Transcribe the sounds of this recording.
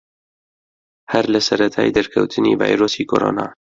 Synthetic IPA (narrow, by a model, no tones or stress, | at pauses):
hɐɾlɐsɐɾɐt̪ʰaːjd̪ɐɾkʰɐwt̪ʰɨnḭːva̰ːjɾoːsikʰo̰ɾo̰ːna̰ː